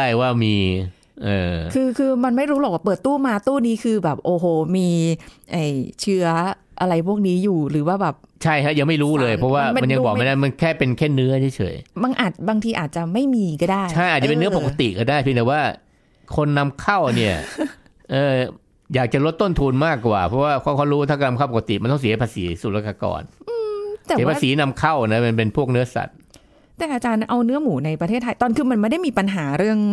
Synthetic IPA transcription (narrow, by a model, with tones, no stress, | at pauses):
aː˥˩jwaː˥˩miː˧ | ʔɤː˧˩kʰɯː˧kʰɯː˧ma˧nma˥˩jɾuː˦˥lɔː˨˩k̚waː˥˩pɤː˨˩t̪ːuː˥˩maː˧t̪uː˥˩niː˦˥kʰɯː˧bɛː˨˩p̚ʔoː˧ɦoː˧˩miː˧ʔa˧˩jt͡ɕʰɯ˦˥ɐʔa˧ɾa˧jpʰu˥˩ək̚niː˦˥juː˨˩ɾɯː˩˦waː˥˩bɛː˨˩p̚t͡ɕʰa˥˩jɦa˦˥ja˧ma˥˩jɾuː˦˥lɤː˧jpʰɾɔ˦˥waː˥˧˩m˧a˧nja˧bɔː˨˩a˧na˦˥ma˧nkʰɛː˥˩pe˧nkʰe˥˩nːɯ˦˥ɐt͡ɕʰe˥˩t͡ɕʰɤ̰ː˩˦jma˧nʔaː˨˩t̪̚baː˧ŋt̪ʰiː˧ʔaː˨˩t̪̚t͡ɕa˨˩ma˥˩jmiː˧kɔː˥˩daː˥˩jʰa˥˩jʔa˨˩t̪̚t͡ɕa˨˩e˧nːɯ˦˥ɐpo˨˩ka˧t̪ḭ˨ʔkɔː˥˩daː˥˩jpʰi˧nt̪ɛː˨˩waː˥˩ | kʰo˧nːa˦˥mkʰa˥˩wni˥˩ɐ | ʔɤː˧ | jaː˨˩k̚t͡ɕa˨˩ɾo˦˥t̪ːo˥˩nt̪ʰuː˧nmaː˥˩kːwa̰ː˨˩pʰɔ˦˥waː˥˩ɔ˧˥˩kʰɔː˧˥ɾuː˦˥˩t̪ʰa˥˩ka˧na˧kʰa˥˩pka˧t̪i˨˩ma˧nt̪ɔ˥˩ŋsi˩˦˥pʰaː˧sḭː˩˦su˨˩laː˦˧˩ka˧kɔ̰ː˧nʔɯː˧t̪ɛː˨˩˨pʰa˥˧˩siː˩˦na˧mkʰa˥˩wna˦˥ma˧npe˧npʰu˥˩ək̚nɯ˦˥ɐsa̰˨˩t̪̚ | t̪ɛː˨˩ʔaː˧t͡ɕaː˧nʔa˧wnɯ˦˥ɐmuː˩˦na˧jpɾa˧t̪ʰeː˥˩t̪ʰːa˧jt̪ɔː˨˩nkʰɯː˧ma˧nma˥˩da˥˩jmiː˧pa˧nɦaː˩˦ɾɯ˥˩əŋ